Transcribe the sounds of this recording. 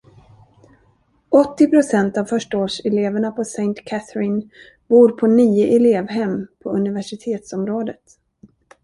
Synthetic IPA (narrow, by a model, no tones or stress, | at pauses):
ɔt̪ːɪpɾʊsɛnt̪avfœʂʈaoːʂɛleːvəɳapʰɔsɛjnt̪kʰæθɾɪn | vuːɾpʰɔniːʊʔɛleːvɦɛmːpʰɔɵnɪvæʂɪt̪ʰeːt̪sɔmɾoːd̪ət̪